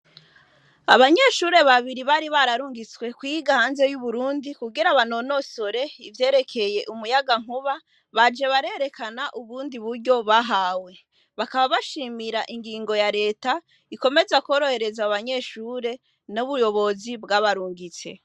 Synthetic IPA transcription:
a̰βaɲe̞ʃuːɾe̞βaβiɾiβaɾiβaɾaɾuːŋɡit͡swe̞kwiɡahaːnze̞juβuɾuːndikuɡiɾaβano̞no̞so̞ɾe̞ivje̞ːɾe̞kʰe̞je̞ʔumujaɡaŋ̥huβa | βad͡ʒe̞βaɾe̞ɾe̞kanaʔuβuːndiβuɾɟo̞βaɦaːwe̞ | βakaβaβaʃiːmiɾaʔiŋɡiːŋɡo̞jaɾe̞ːta | iko̞me̞zako̞ːɾo̞he̞ɾe̞zaːβaɲe̞ʃuːɾe̞ | nuβujo̞βo̞zibɡaβaɾuːŋɡit͡se̞̰

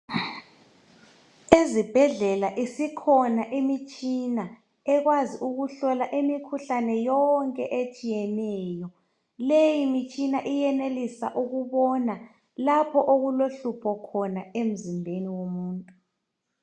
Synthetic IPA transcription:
ezib̥ʱɛɮɛlaʔisikʰɔnaʔimit͡ʃʼina | ɛɣwaziʔuɣuɬɔlaʔimikʰuɬanɛjɔŋkʼɛʔet͡ʃʼijɛnɛːjɔ | lejimit͡ʃʼinaʔijɛnelisa̰ʔuɣuβɔna | lapʰɔʔoɣuloɬupʰɔkʰɔnaem̩zimbʱeniwomuːntʼu

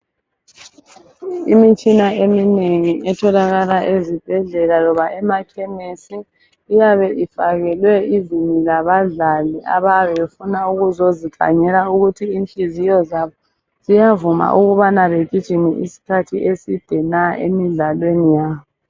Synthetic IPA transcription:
imit͡ʃʼinaemineŋiʔɛtʰɔlaɣalaʔezib̥ʱɛɮɛlalɔβaʔɛmakʰɛmesiː | jaβɛʔifaɣɛlwɛizinilaβaɮaliʔaβaβɛefunauɣuzozikʰa̰ɲɛlauɣutʰiinɬʼizijɔzaβɔ | z̥ijavuma̰ʔuɣuβanaβeɡ̥ʱid̥ʒ̥ʱinɛ̰ʔḭsi̥kʰatʰiʔesid̥ʱɛnaʔḛmiɮalwenijaːβɔ

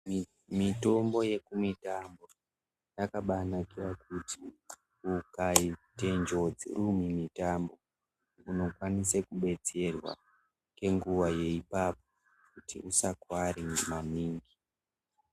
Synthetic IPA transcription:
mito̞mbo̞je̞kumitambo̞ | jakaɓanakirakuti | ukaite̞nd͡ʒo̞d͡zḭrumimitambo̞ | uno̞kwanisekuɓe̞t͡se̞rwa̰ | ke̞ŋɡuʋaje̞ipap̚o̞ | kutḭʔusakwaɾimaniːŋɡi

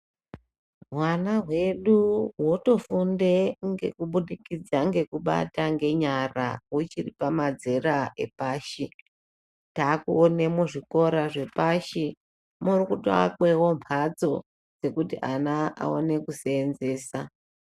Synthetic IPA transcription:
ɦwanaɦwe̞ɗuwo̞to̞funde̞ŋɡe̞̰kuɓuɗikid͡zaŋɡe̞kuɓa̰taŋɡe̞ɲara̰wut͡ʃiripamad͡ze̞ɾaʔe̞̰paːʃi | taːkuone̞muʐiko̞ɾaʐe̞paʃi | murikutoa̰kwe̞wo̞mpʰad͡zo̞ | d͡ze̞kutḭʔanaʔa̰o̞̰ne̞kusːnze̞ːsa

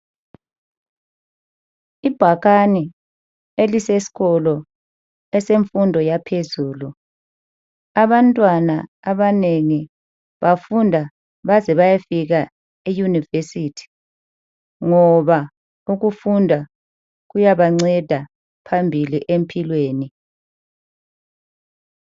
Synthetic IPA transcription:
ib̥ʱaɣani | elisesi̥ɣɔlɔ | ɛseɱfundʱɔjapʰezuːlu | aβantʼwana | aβaneŋi | βafundʱa | βazɛβajafiɣa | ijunivesitʰi̥ | ŋɔβa | uɣufundʱa | ɣujaβaŋ͡ǀɛd̥ʱa | pʰambʱiliʔempʰʼilweːni

